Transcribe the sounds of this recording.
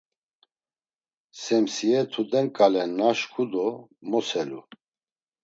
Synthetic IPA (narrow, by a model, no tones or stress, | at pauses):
sɛmsiɛt̪ʰud̪ɛnkʼalɛnːaʃkʰud̪ɔmɔsɛlu